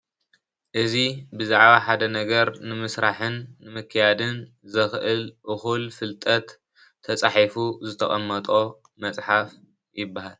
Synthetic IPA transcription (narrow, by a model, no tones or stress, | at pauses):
ʔɨzibɨzaʕβaħad̪ɐnɐɡɐɾnɨmɨsɾaħɨnːɨmɨkʰːɨjad̪ɨn | zɨxʔɨlʔɨxulfɨlt̪ʼɐt̪ʰː | ɐt͡sʼaħifuzɨt̪ʰɐχʼɐmːɐt̪ʼo̞ | mɐt͡sʼħaf | jɪbːahal